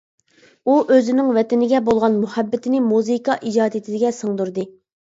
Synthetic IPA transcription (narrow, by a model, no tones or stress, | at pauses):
uʔøzɪnɪŋvɛt̪ɪnɪɡʲɛbolˠʁɑnmuhɛbːɪt̪ʰɪnɪmuzikɑʔid͡ʒɑːd̪et̪ʰɪd̪ɪɡʲɛsəŋd̪uɾd̪ɨ